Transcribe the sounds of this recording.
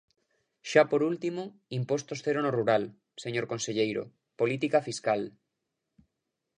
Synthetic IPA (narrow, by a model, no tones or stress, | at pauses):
ʃapoɾult̪imoimpost̪osθeɾonoruɾal | seɲoɾkonseʎejɾo̰ | polit̪ikafiskal